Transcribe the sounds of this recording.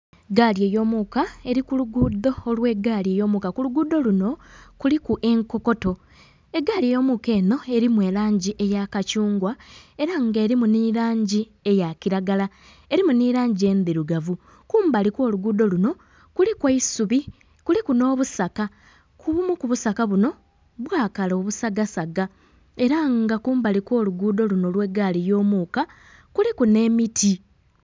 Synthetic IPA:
eɡaːlje̞ːjo̞ːmukae̞ɾikuluɡud̪o̞ːlwe̞ɡalje̞jo̞mukakuluɡuːd̪o̞luno̞kulikuʔe̞ŋko̞ko̞to̞ | eɡaːlie̞jo̞ːmuke̞ːno̞e̞ɾimwe̞ːɾaːɲɟiʔe̞jakacuːŋɡwae̞ɾaŋɡeːɾimuniɾaːɲɟi | e̞jakiɾaɡala | eɾimuniɾaːɲɟie̞ːnd̪iɾuɡavu | kuːmbaliko̞ːluɡuːdo̞luno̞ | kulikweisuβi | kulikuno̞ːβusaka | kuβumukuβusakaβuno̞ | βwaːkalo̞ːβusaɡasaɡa | e̞ɾaŋɡakuːmbalikwo̞ːluɡuːdo̞luno̞lwe̞ɡːaːlijo̞ːmuːka | kulikune̞ːmitʰi

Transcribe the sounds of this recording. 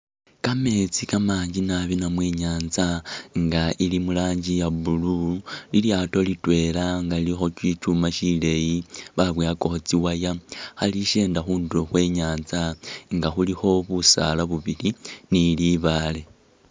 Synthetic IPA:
kame̞t͡sikamaːɲɟinaβinamwe̞ːɲaːnzaŋɡaʔilimulaːɲɟijabululiljaːto̞litwe̞ːlaŋɡailixo̞t͡ʃwit͡ʃumaʃile̞jiβaβweako̞xot͡siwajahaliʃe̞ːndaxuːnduɾoxwe̞ːɲaːnzaŋɡaxulixo̞βusa̰laβuβiliniliβale̞

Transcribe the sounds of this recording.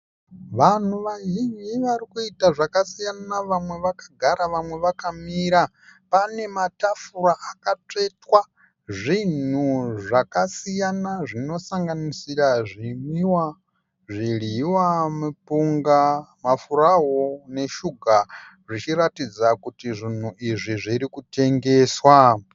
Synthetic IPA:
ʋan̤uʋaɦiɲiʋaɾikuitaʐakasijanaʋamwe̞ʋakḁɡʱaɾaʋamwe̞ʋakamiɾa | pane̞matafuɾaʔakat͡ʂe̞twa | ʐin̤uʐakasijanaʐino̞saŋɡanisiɾaʐimiwa | ʐiɺiwamupuŋɡamafuɾaɦone̞ʃuɡʱa | ʐit͡ʃiɾatid͡zakutiʐin̤uʔiʐiʐiɾikute̞ŋɡe̞ːswa

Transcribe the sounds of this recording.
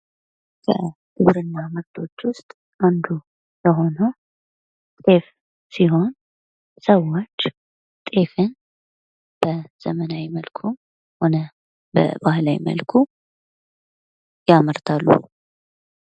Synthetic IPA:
kʰə̰d̪ɨβɾɨnːaməɾt̪ʰo̞t͡ʃːwʊst̪ʼ | ʔand̪u | jəɦo̞nə | t̪ʼe̞f | siɦo̞n | səwːot͡ʃː | t̪ʼe̞fɨn | b̥əz̥əmənawjməlkʰu | ho̞nə | bə̰bahlajmə̰lkʰu | jaməɾt̪ʰalːṵ

